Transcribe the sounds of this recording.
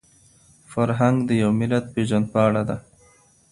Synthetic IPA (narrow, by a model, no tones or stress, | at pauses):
faɾɦaŋɡd̪əjawmɪlat̪̚peʒand̪̚pɑaɽad̪a